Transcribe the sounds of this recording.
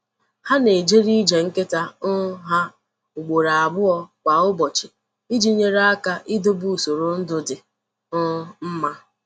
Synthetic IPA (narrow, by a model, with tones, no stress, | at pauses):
ha˦ne˨d͡ʒe˦ɾi˦d͡ʒe˨ŋ̩˦kɪ˦ta˦ʊ˦ɦa˦ | ʊ˨ɡ͡bo˨ɾa˨a˨bʊ˦ɔ˦kʷa˨ʊ˦bɔ˨t͡ʃɪ˨ | i˦d͡ʒi˦ɲe˦ɾa˦a˦ka˦ʔɪ˦do˦bu˦˨so˨ɾo˨n̩˦dʊ˦dɪ˨ | ʊ˦m̩˦ma˦